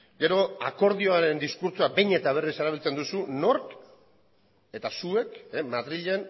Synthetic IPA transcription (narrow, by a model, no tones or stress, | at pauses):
ɡe̞ɾo̞ako̞ɾðioaɾe̞nd̪iskuɾt͡suabe̞jɲe̞t̪aβ̞e̞rise̞ɾaβ̞ilt͡se̞nd̪usuno̞ɾk | e̞t̪asue̞kemaðɾiʎe̞n